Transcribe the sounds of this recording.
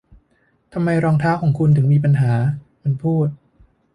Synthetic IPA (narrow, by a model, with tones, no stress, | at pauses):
t̪ʰa˧mːa˧jɾɔː˧ŋt̪ʰaː˦˥wkʰɔː˩˦ŋkʰu˧nt̪ʰɯ˩˦ŋmiː˧p̬a˧nɦaː˩˦ | ma˧npʰuː˥˩t̪̚